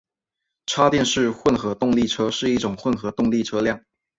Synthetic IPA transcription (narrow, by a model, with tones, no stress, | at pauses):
ʈ͡ʂʰa˥t̪jɛ˥˧nʂɻ̩˥˧xwə˥˩nxɤ˧˥t̪ʊ˥˧ŋli˥˩ʈ͡ʂʰɤ˥ʂɻ̩˥˧i˥˩ʈ͡ʂʊ˨˩ŋxwə˥˩nxɤ˧˥t̪ʊ˥˧ŋli˥˩ʈ͡ʂʰɤ˥ljɑ˥˩ŋ